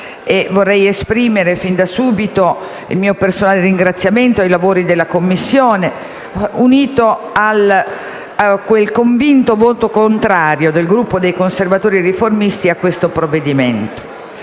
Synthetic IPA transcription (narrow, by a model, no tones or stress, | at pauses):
evorːɛjespɾiːmeɾefind̪asuːbit̪o | ḭlmiːopersonaːleriŋɡɾat̪sːjament̪oajlavoːɾid̪elːakomːisːjoːne | uniːt̪oal | kwelkoɱvint̪ovoːt̪okont̪ɾaːɾjod̪elɡɾupːod̪ejkonservat̪oːɾiriformist̪iakːwest̪opɾovːed̪iment̪o̥